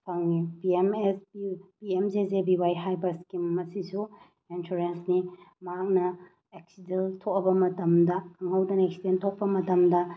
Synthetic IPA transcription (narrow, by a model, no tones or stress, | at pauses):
pʰɐŋnipiemesbipiemzezebiwajɦajbɐskimɐsisu | ensuɾensnimɐɦak̚nɐ | ek̚sidentʰok̚ɐbɐmɐtɐmdɐkʰɐŋhɐwdɐneksidentʰok̚pɐmɐtɐmdɐ